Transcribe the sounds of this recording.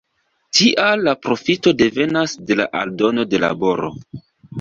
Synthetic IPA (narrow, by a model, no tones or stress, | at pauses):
tiʔalːapɾo̞fito̞de̞ve̞nasde̞la̰ʔa̰ldo̞no̞de̞la̰bo̞ɾo̞̰